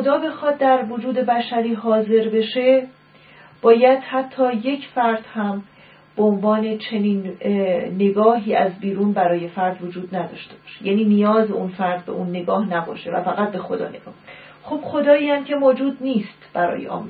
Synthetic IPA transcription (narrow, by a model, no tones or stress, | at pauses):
od̪ɒːbe̞xɒːd̪̚d̪æɾvo̞d͡ʒuːd̪e̞bæʃæɾiːɦɒːze̞ɾbe̞ʃe̞ | b̥ɒːjæd̪̥hæt̪ʰːɒːje̞cʰfæɾd̪̥hæm | b̥eonvɒːne̞t͡ʃʰe̞niːnː | e̞ɡɒːɦiːæzbiːɾuːnbæɾɒːje̞fæɾd̪vod͡ʒuːd̪̚næd̪ɒ̰ːʃt̪e̞b̥ɒːʃejæ̰niːnijɒːzeunfæɾd̪̚be̞̰ʔunːe̞ɡɒːhnæbɒ̰ːʃe̞væ̰fæɣæt̪̚be̞xo̞d̪ɒ̰ːne̞ɡ̥ɒ̰ːh | xob̥xo̞d̪ɒːiæmcʰe̞moːd͡ʒuːd̪̚niːst̪b̥æɾɒ̰ːjeʔɒ̰ːm